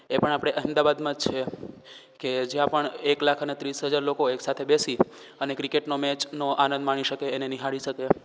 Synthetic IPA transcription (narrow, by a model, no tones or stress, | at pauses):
epəɳapɽ̃eʔəɦmd̪aʋad̪mãd͡ʒt͡ʃʰe | ked͡ʒjãpəɳeklakʰənet̪ɾisɦəd͡ʒaɾlokoeksat̪ʰebesi | ənekɾikeʈnomɛt͡ʃnoʔanə̃nd̪maɽ̃iʃəkeːneniɦaɽiʃəke